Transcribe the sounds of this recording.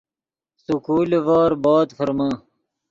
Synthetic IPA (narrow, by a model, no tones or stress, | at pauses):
sukuːlvaːɾbaːt̪fɐɾma